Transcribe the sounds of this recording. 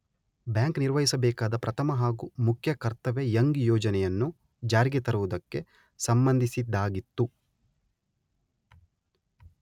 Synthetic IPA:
bjaːŋkniɾʋɐɦisɐbɛːkaːd̪ɐpɾɐt̪ʰɐmɐɦaːɡumukʰjɐkɐɾt̪ɐʋejɐŋɡjɔːd͡ʒɐnɛjɐnːu | d͡ʒaːɾiɡet̪ɐɾuʋud̪ɐkːe̞ | sɐmbɐnd̪ʱisid̪ːaːɡit̪ːu

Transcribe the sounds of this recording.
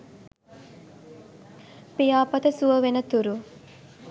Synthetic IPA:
pijaːpɐt̪əsuʋəʋenət̪uɾu

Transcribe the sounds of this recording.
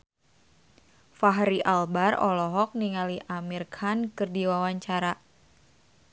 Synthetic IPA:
faɦɾiʔalbarɔ̰lɔɦɔk̚niŋaliʔamirkʰankɨrdiwawaɲt͡ʃaɾa

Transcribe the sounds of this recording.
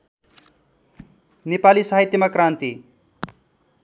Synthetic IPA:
nepalisaɦit̪jemakɾaːnt̪i

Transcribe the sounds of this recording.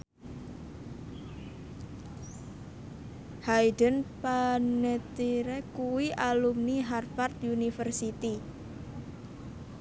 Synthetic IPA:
hajdənpanet̪iɾɛkuwiʔalumniɦarfart̪unifərsit̪i

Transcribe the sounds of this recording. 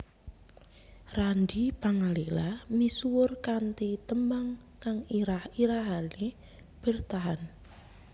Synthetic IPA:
randipaŋalilamisuwʊrkant̪it̪əmbaŋ | kaŋahiɾaɦali | b̥ə̤rt̪aɦan

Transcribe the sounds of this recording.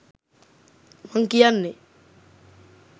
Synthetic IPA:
maŋkijanːɪ

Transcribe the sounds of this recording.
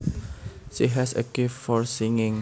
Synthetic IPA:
ʃiɦɛsə̰kiffɔɹsĩŋɪ̃ŋ

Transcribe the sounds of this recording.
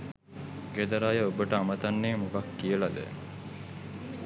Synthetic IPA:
ɡed̪ɐɾaːjəobəʈəamət̪anːeːmukakːijəlad̪ɛ̰

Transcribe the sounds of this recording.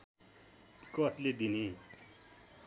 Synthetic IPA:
kʌt̪led̪ini

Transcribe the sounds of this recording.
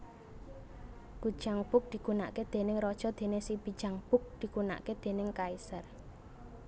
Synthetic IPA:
ɡ̥ud̥ʒ̥aŋb̥ʊk̚d̪̥i̤ɡ̥una̰ʔked̪̥e̤nɪŋɾɔd̥ʒ̥ɔ̤d̪̥e̤nesibid̥ʒ̥aŋb̥ʊk̚d̪̥i̤kuna̰ʔked̪̥e̤nɪŋkaisər

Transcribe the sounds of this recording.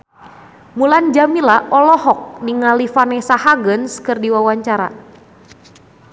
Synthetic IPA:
muland͡ʒamilaɔlɔɦɔk̚niŋalifanɛsahaɡənskɨrdiwawaɲt͡ʃaɾa̰

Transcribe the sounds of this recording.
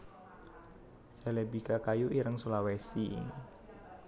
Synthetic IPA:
sɛlɛbikakajuʔiɾəŋsulawesḭ

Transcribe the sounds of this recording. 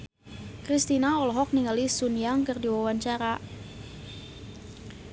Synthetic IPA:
kɾist̪inaɔlɔɦɔk̚niŋalisunijaŋkərdiwawaɲt͡ʃaɾa

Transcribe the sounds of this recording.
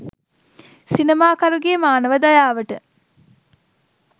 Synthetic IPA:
sinemaːkɐɾuɡemaːnəʋəd̪ajaːʋəʈə

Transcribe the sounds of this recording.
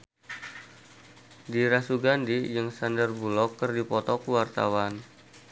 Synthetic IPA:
diɾasuɡandijəŋsandərbulɔkːərdipɔt̪ɔkuwart̪a̰wan

